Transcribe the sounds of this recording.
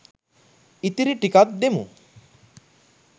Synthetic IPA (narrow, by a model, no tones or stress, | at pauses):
it̪iɾiʈikat̪̚d̪emṵ